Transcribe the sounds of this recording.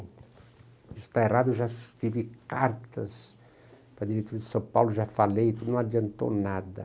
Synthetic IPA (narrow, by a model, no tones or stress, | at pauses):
isu̥t̪aerad̪uʒat̪ivikaɾt̪ɐs | pɾad̪iɾet̪uɾad̪isãpawluʒafalejt̪unõad͡ʒant̪o̰nad̪ɐ̰